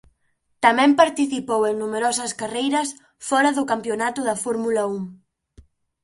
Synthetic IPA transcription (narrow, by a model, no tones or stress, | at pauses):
t̪ɐmɛ̃mpaɾt̪iθipoweŋnumeɾɔsɐskarejɾɐs | fɔɾɐðʊkampjonat̪ʊðɐfɔɾmulɐuŋ